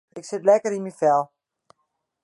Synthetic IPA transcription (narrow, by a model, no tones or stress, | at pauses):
ɪksɪtlɛkəɾinmifɛlˠ